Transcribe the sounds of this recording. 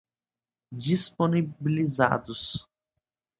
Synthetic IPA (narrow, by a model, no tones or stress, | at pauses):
d͡ʒisponibiliza̰d̪ʊs